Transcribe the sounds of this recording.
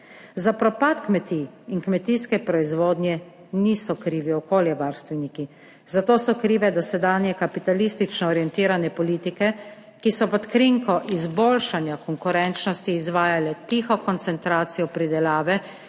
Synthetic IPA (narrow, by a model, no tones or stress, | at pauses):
zapɾɔpat̪kmɛt̪iː | ŋkmɛt̪iːskɛpɾɔizʋoːd̪njɛ | niːsɔkɾiːʋiɔkoːljɛʋaːɾst̪ʋɛniki | zat̪oːsɔkɾiːʋɛd̪ɔsɛd̪aːnjɛkapit̪alist̪it͡ʃnɔːɾjɛnt̪iːɾanɛpɔliːt̪ikɛ | kisɔpɔt̪kɾiŋkɔʔizboːlʃanjakɔŋkuɾɛnt͡ʃnɔst̪iːzʋaːjalɛt̪iːxɔkɔnt̪sɛnt̪ɾaːt̪sijɔpɾid̪ɛlaːʋɛ